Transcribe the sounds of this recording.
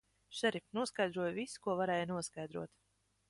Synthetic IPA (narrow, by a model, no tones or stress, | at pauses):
ʃɛɾipnuɔskajd̪ɾuɔjvisu̥kuɔvaɾɛːjnuɔskajd̪ɾṵɔt̪